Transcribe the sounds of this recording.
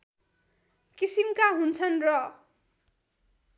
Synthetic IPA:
kisimkaɦunt͡sʰʌnrʌ

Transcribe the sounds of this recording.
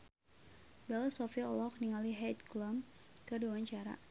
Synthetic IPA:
bɛlasɔfiɔlɔk̚niŋaliɦɛt̪̚kləmkərduwaɲt͡ʃaɾa̰

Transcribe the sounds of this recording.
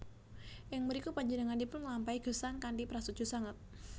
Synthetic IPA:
jaŋməɾikupaɲd͡ʒənəŋandipʊnlampaiɡ̥əsaŋkandipəɾasud͡ʒ̥ṳsaŋat̪̚

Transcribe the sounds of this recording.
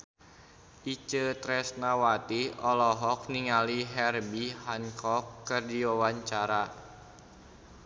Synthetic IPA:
ʔit͡ʃət̪ɾɛsnawat̪iɔlɔɦɔk̚niŋaliɦɛrbiɦaŋkɔkːɨrdiwawaɲt͡ʃaɾa

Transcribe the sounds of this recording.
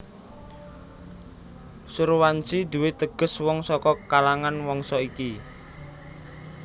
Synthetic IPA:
suɾwansid̪̥ṳwɪt̪əɡ̥ə̤swɔŋsɔkɔkalaŋanwɔŋsɔiki

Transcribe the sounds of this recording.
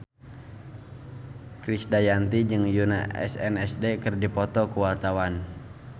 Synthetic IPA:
kɾisdajant̪id͡ʒɨŋjuna̰ɛ̰sɛ̰nɛsdekɨrdipɔt̪ɔkuwart̪awan

